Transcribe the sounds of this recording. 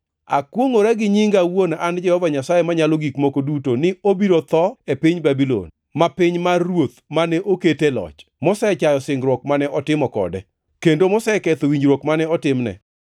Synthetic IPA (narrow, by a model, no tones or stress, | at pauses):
a̰kwoŋoɾɛɡɪɲɪŋɡawonand͡ʒɛhɔvaɲasajemaɲaloɡikmokodutonɪobiɾot̪ɔepɪɲbabilo̰n | mapɪɲmarwot̪manɛʔoketelɔ̰t͡ʃmɔsɛt͡ʃajɔsɪŋɡɾwɔkmanɛʔɔtɪmɔkɔ̰dɛ | kendomɔsɛkɛt̪owiɲɾwokmanɛɔtɪmnɛ̰